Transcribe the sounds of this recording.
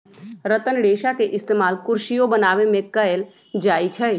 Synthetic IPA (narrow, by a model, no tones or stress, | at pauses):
ɾət̪ənɽeːʃakeʔɪst̪eːmaːlkʊɾʃijõbənaːʋemẽkəel | d͡ʒaːit͡ʃʰɛ